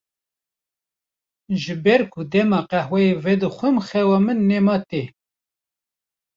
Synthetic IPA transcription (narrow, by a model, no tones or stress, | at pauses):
ʒɨbɛɾkʰʊd̪ɛmɑːqɛhwɛevɛd̪ɨxʷɨmxɛwɑːmɨnːemɑːt̪e